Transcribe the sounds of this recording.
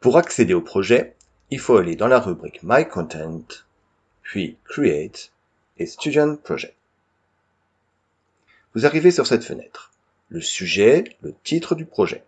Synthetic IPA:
puʁaksed̪eopχɔʒɛ | ilfoaled̪ɑ̃laʁybʁikmajkʰɔ̃t̪ʰɛ̃nt̪ | pɥikʁiet̪ | est̪yd̪jɔ̃npʁɔʒɛ | vuzaʁivesyʁsɛt̪fə̰nɛ̰t̪χ | ləsyʒɛlət̪ʰit̪χəd̪ypχɔʒɛ̰

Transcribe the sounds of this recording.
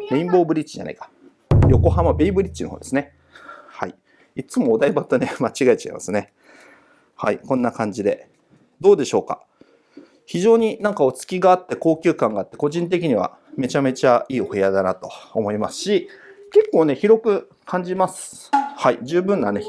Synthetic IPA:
be̞ĩmbo̞ːbɯ̟ɾʲit͡ɕːiʑa̰na̰ikḁ | jo̞ko̞ɦamabe̞ibɯ̟ɾʲit͡ɕːinohoːd̪e̞sɨne̞ | hai | it͡sɨmoːd̪aibat̪ːone̞mat͡ɕiɡait͡ɕa̰imasɨne̞ | haikõ̞nːakãɲ̟d͡ʑid̪e̞ | d̪o̞ːd̪e̞ɕo̞ːka̰ | çiʑo̞ːɲ̟inãŋkao̞t͡sɨ̥kʲiɡaːt̪ːe̞ko̞ːkʲɨ̟ːkãŋɡaːt̪ːe̞ko̞ʑĩnt̪̬e̞k̬ʲiɲ̟iβ̞a̰ | me̞t͡ɕame̞t͡ɕaiːoead̪anat̪o̞ːmo̞imasɨ̥ɕike̞kːo̞ːne̞çiɾo̞kɯ̟ | kʰãɲ̟d͡ʑimasɨ̥haid͡ʑɨːbɯ̟̃nːane̞

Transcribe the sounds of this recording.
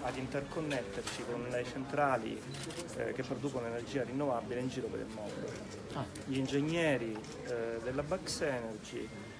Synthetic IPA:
ad̪int̪erkonːet̪ːert͡ʃikonlejt͡ʃent̪ɾaːlḭ | k̟epːɾod̪uːkonoenerd͡ʒiːarinːovabːileind͡ʒiːɾopḛɾḭlmɔd̪o | ʎiːnd͡ʒeɲːɛːɾi | d̪elːabaksɛːnerd͡ʒḭ

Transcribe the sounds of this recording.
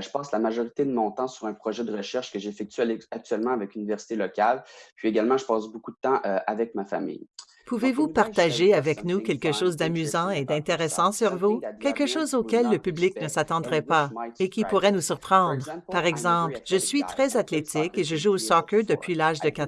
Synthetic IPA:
ʒəpɑːslamaʒɔʁit̪ed̪əmɔ̃t̪ɑ̃syʁɛ̃pχɔʒɛd̪əʁəʃɛʁʃkəʒefɛk̚t̪yak̚t̪yɥɛlmɑ̃avɛkynivɛʁsi̥t̪elɔkʲalpɥieɡalmɑ̃ʒəpɑːsbokud̪ət̪ɑ̃ʔʔavɛkmafa̰mḭj | puvevupaʁt̪aʒeavɛknukʲɛlkəʃoːzd̪amyzɑ̃ed̪ɛ̃t̪eʁɛsɑ̃syʁvukʲɛlkəʃoːzokʲɛlːəpybliknəsat̪ɑ̃d̪ʁɛpaekʲipuʁɛnusyʁpʁɑ̃d̪ʁpaʁɛɡzɑ̃plʒəsɥit̪ʁɛzat̪let̪ɪkkeʒəʒuosɔkød̪əpɥilaːʒd̪əkat̪

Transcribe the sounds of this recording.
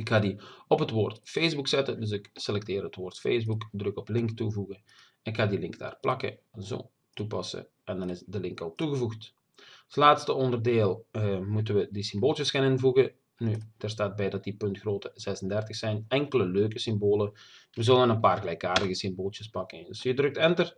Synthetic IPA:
ɪkxaːdiɔpɦətʋoːrtfeːzbuksɛtədɵs̬ɪkselɛk̚tɪːrɦətʋoːrtfḛːzbukdrɵkɔplɪŋktuvuɣə | ɪkxaːdilɪŋkd̥a̰ːrplʔɑkə̰zo̰ː | tupɑsə̰ | ʔɛndɑnɪsdəlɪŋkɑlˠtuɣəvuxt | tlaːtstəɔndərdeːlˠmutənʋədisɪmboːlˠjəskanɪnvuɣə | nyd̥əːrstaːt̚bɛjdɑt̚dipɵntxroːtəzɛsəndɛrtəxsɛjnɛŋkələløːkəsɪmboːlə | ʋəzɵlənənpaːrɣəlɛjkaːrdəɣəsɪmboːlˠt͡ʃjəspɑkəndøsjədrɵk̚tɛntər

